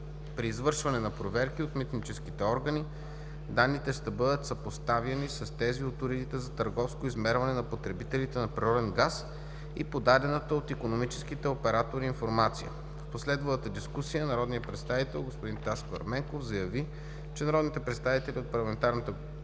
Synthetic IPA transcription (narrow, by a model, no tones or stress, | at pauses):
pɾiːzvɤɾʃvɐnɛnɐpɾovɛɾkiot̪mit̪nit͡ʃɛskit̪ɛɔɾɡəni | d̪anːit̪ɛʃt̪ɐbɤd̪ət̪sɐpost̪avjɐnisɐst̪ɛziot̪ʊɾid̪it̪ɛzɐt̪əɾɡɔfskoizmɛɾvɐnɛnɐpot̪ɾɛbit̪ɛlit̪ɛnɐpɾiɾɔd̪ɛnɡas | ḭpod̪ad̪ɛnət̪əot̪ikonomit͡ʃɛ̥skit̪ɛopɛɾat̪oɾiːnfoɾmat̪sijə̰ | fposlɛd̪vɐlˠət̪əd̪iskusijənɐɾɔd̪nijəpɾɛt̪st̪avit̪ɛlˠɡospoʊd̪int̪askoɐ̰ɾmɛŋkofzɐjɐvi | t͡ʃɛnɐɾɔd̪nit̪ɛpɾɛt̪st̪avit̪ɛlʲiot̪̚pɐɾlˠɐmɛnt̪aɾnət̪ə